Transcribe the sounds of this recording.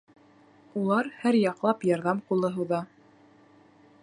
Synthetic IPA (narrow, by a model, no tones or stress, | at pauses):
ulˠɑɾhæɾjɑqlˠɑpjɑɾðɑmqulˠɤ̆ɦɤ̆wðɑ